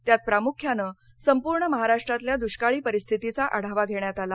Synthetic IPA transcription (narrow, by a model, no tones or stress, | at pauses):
t̪jat̪̚pɾamukʰjanəː | səmpuɾɳəməɦaɾaʂʈɾat̪ljad̪uɕkaɭiːpəɾist̪ʰit̪it͡saʔaɽ̤aʋaɡʱeɳjat̪ala